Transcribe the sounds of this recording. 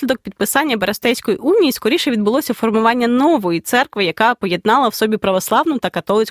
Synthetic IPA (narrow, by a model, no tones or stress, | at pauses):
lʲid̪ɔk̚pʲid̪̚pɪsɑnʲːɐbɐɾɐst̪ɛjsʲkɔjiʔunʲːijiskɔɾʲiʃɛʋʲid̪bʊlˠɔsʲɐfɔrmʊʋɑnʲːɐnɔʋɔjit̪sɛrkʋɪjɐkɑpɔje̞d̪̚nɑlˠɐwsɔbʲipɾɐʋɔslˠɑʋnʊt̪ɐkɐt̪ɔlˠɪt͡sʲ